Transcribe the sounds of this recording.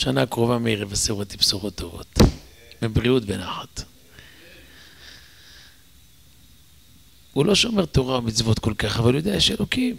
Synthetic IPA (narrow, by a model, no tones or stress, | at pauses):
ʃanakʁovameiʁeveseʁot̪ipsuʁot̪ʰːo̞vo̞̰t̪ | mibʁiutbenaχat̪ | hulo̞ʃo̞me̞ʁt̪o̞ʁaomit͡svot̪ko̞lkaχavalujod̪eajeʃelo̞kim